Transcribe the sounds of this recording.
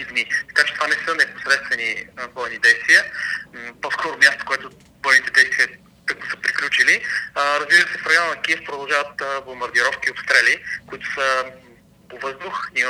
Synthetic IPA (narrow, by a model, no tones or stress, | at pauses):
id̪nit̪ɐ̥kat͡ʃɛt̪vanɛsənɛpo̥sɾɛt̪st̪vɛnivɔjnid̪ɛjst̪vijə | pɔskɔɾʊmʲjast̪o̥koɛt̪ʊ | bɔjnit̪ɛd̪ɛjst̪vijə | k̪əkmʊsə̥pɾiklʲut͡ʃiliɾɐzbiɾəsɛfɾɛjanˠnɐkiɛfpɾod̪ɐlˠʒavət̪̚əblombɐɾd̪iɾɔfkiopst̪ɾɛlʲikʊit̪ʊ̥sə | povɤzd̪ʊxi